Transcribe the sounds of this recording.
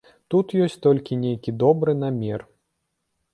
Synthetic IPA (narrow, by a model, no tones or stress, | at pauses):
t̪ut̪jɔsʲt͡sʲt̪ɔlʲkʲinʲejkʲid̪ɔbɾɨnamʲɛr